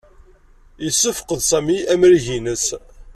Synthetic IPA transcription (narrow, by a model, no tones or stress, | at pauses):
isːəfə̥qəðsæmiʔæmɾiʝinəs